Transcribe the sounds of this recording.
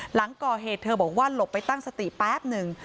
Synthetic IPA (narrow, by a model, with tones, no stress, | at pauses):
la˩˦ŋkɔː˨˩ɦeː˨˩t̪ʰːɤː˧bɔː˨˩k̚waː˥˩lo˨˩pːa˧jt̪a˥˩ŋsa˧t̪i˨˩pɛː˦˥p̚nɯ˨˩ŋ